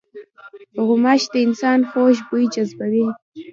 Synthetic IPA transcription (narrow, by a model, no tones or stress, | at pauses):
ɣʊmaʃd̪əɪnsɑːnxoʃbujd͡ʒazbawi